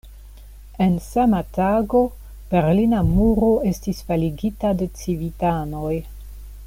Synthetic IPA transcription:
ensamataɡo̞ | b̥e̞ɾlinamuɾo̞e̞stisfaliɡitade̞t͡sivitano̞j

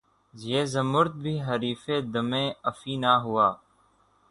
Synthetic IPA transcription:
zjeːzəmʊɾt̪̚bʱiːɦəɾiːfeːd̪əmẽːəfiːnaːɦʊaː

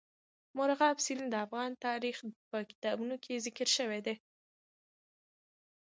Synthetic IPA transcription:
mʊɾaɣɑbsilnd̪əafɣɑnt̪ɑɾixpəkɪ̥t̪ɑbunokʰezɪkəɾʃəwed̪e

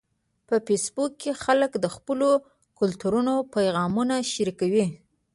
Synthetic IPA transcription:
pəfesbukːexaləkd̪əxpəlo | kʊlt̪uɾunopajɣɑmunaʃaɾikawi

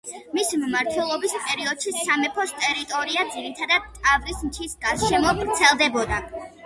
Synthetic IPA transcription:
misimmaɾt̪ʰwɛlˠɔbispʼɛɾiɔd̪̥ʃisamɛpʰɔst̪ʼɛɾit̪ʼɔɾiad̪ziɾit̪ʰad̪ad̪̚t̪ʼavɾismt͡ʃ̪ʰisɡaʃɛmɔɡɾt̪sʰɛlˠd̪ɛbɔd̪a

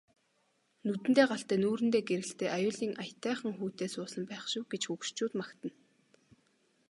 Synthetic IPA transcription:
nɵt̪ɘ̆nt̪eːɢaɬt̪æːnuːɾɘ̆nt̪eːɡeɾɘ̆ɬt̪eːʔajʊːɮiːŋʔajt̪æːχə̆ŋxuːt̪eːsʊːsə̆mpæːχʃʊ̆wɡet͡ɕxukʃt͡ɕuːt̪makt̪ə̆n

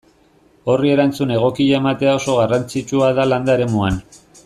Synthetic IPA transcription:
o̞rie̞ɾant͡sune̞ɣ̞o̞kiaemat̪e̞ao̞so̞ɣarant͡sit͡ʃuaðaland̪aeɾe̞muan

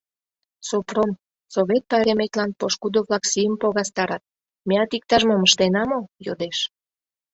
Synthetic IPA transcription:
soprom | soβet̪̚pɑɾemet̪lɑnpoʃkud̪oβlɑksijəmpoɣɑst̪ɑɾɑt̪̚ | meɑt̪ik̚t̪ɑʒmoməʃt̪enɑmojod̪eʃ

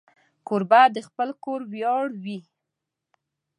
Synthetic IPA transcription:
koɾbad̪əxpəlkoɾwjɑɽwi

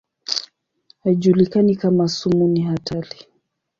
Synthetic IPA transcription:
haiʄulikanikamasumuniɦatʰali

